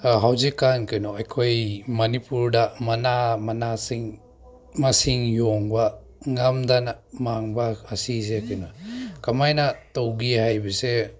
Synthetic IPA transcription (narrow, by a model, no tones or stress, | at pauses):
ɦawzikːankɐnoɐjkʰojmɐnipuɾdɐmɐnamɐnasiŋ | mɐsiŋjoŋbɐ | ŋɐmdanamaŋbaːsizekɐnɔkɐmajnɐtowɡihajbise